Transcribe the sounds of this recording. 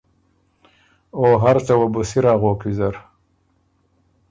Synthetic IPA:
oɦaɾt͡sɐwɐbusiɾaːɣoːkwizɐɾ

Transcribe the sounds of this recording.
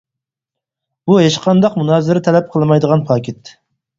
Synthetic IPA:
b̥uɦeʃqʰɑnd̪ɑqmunɑːzɪɾɪt̪ʰɛlɛp̚qʰəlˠmɑjd̪əʁɑnpʰɑkʲʰet̪

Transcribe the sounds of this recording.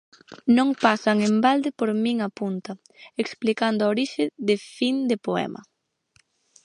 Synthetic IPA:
nõŋpasɐŋembald̪ɪpoɾmĩŋapunt̪ɐ | eksplikand̪ʊaoɾiʃɪðefind̪epoɛ̰mɐ̰

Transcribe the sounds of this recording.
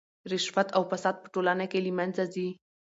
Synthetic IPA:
ɾɪʃfat̪awfasɑd̪̚pə̥ʈolanakelimanzazi

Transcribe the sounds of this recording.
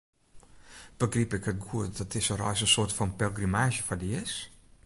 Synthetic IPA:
b̥əɡripɪkhət̚ɡuətdɔtɪsərɔjsənsoːrtfɔnpɛlˠɡrimaːʃjəfɔdəɪs

